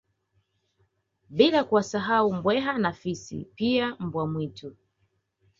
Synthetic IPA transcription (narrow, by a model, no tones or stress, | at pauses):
ɓilakuwasaɦaumbwɛɦanafisḭpiam̩bwamwitu